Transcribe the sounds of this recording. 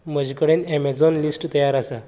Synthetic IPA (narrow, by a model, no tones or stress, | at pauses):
məd͡ʑikəɽenemed͡zɔnlisʈt̪əjaɾasa